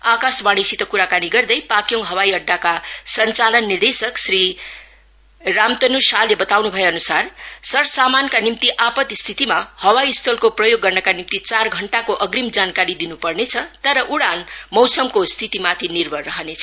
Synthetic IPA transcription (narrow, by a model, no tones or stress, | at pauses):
akasbaɽ̃isit̪okuɾakaniɡʌrd̪ʌjpakjoŋɦʌwaiʌɖʱːakasʌnt͡salʌnːird̪esʌksri | ramt̪ʌnusalːebʌt̪awnubʱʌjeʌnusarsʌrsamankanimt̪iʔapʌt̪st̪ʰit̪imahʌwaist̪ʰolkoprʌjoɡːʌrnʌkanimt̪it͡sarɡʱʌɳʈakoʔʌɡrimd͡zankaɾid̪inupʌrnet͡sʰʌt̪ʌɾʌʔuɽanmʌwsʌmkost̪ʰit̪imat̪ʰinirbʱʌrʌɦʌnet͡sʰʌ